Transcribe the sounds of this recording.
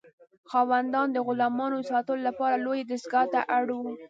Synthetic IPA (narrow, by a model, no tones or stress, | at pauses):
xɑwand̪ɑnd̪əɣʊlɑmɑnosɑt̪əlolapɑɾalojed̪ɪsɡɑt̪aʔaɽ